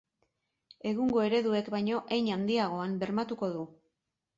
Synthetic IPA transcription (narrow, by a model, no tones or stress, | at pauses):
e̞ɣ̞uŋɡo̞e̞ɾe̞ðue̞kbajɲo̞ʔejɲand̪iaɣ̞o̞ambe̞ɾmat̪uko̞ðu